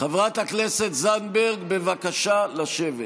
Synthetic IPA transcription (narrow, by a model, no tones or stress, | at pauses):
χavʁat̪hakneset̪zanbeʁɡbevakaʃalaʃevet